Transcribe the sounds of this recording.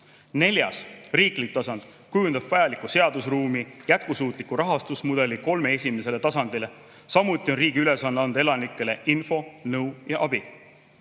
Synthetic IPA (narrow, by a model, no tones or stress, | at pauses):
ne̞lʲjɑ̰sriːklik̚t̪ːɑsɑnd̪̥ | kujund̪̥ɑb̥vɑjɑlikːˑuse̞ɑd̪̥usruːmijæt̪̚kusuːt̪ˑlikuɾɑɦɑst̪usmud̪̥e̞liko̞lme̞e̞sʲime̞se̞le̞t̪ɑsɑnd̪̥ile̞ | sɑmut̪ˑːio̞nriːɡiyle̞sɑnd̪ɑnd̪e̞lɑnikːˑe̞le̞ʔinfo̞nɤwjɑʔɑb̥i